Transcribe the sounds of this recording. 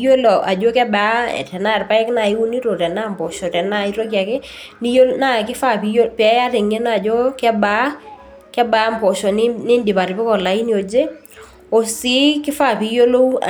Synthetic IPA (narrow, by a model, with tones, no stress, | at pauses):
jo˦lo˨ʔa˨d͡ʒo˦kɛ˦ba˨˦ɛ̰˨tɛ˨na˦˨ɾpa˦ɛ˦kna˨i˦wu˦ni˦to˨tɛ˨na˦mpɔ˨ʃɔ˨tɛ˨na˦i˦ɾo˦kja˨kɪ˦ni˦jo˦na˦˨kɪ˦fa˦˨pi˨jo˦pɪ˨ɛ˦a˦ɾɪ˨ŋe˦na˦˨d͡ʒo˦kɛ˦ba˨˦ | kɛ˦ba˦mpo˨ʃɔ˨nɪ˦nɪ˦ndi˨pa˨ɾɪ˨pɪ˦kɔ˨la˨i˦ni˦o˨d͡ʒe˦ | o˨sɪ˦kɪ˦fa˦˨pi˨jo˦lo˦